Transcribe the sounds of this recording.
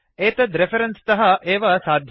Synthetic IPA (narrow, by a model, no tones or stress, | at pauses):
eːt̪ɐd̪ɾefʰɐɾɐnst̪ɐɦɐʔeːʋɐsaːd̪ʱ